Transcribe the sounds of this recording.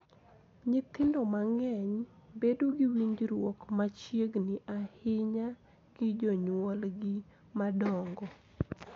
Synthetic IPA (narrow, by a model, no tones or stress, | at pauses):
ɲɪt̪ɪndɔmaŋɛɲbedoɡɪwiɲd͡ʒɾwɔkmat͡ʃjeɡnɪʔahɪɲa | ɡ̥ɪd͡ʒɔɲwɔlɡɪ | madɔŋɡɔ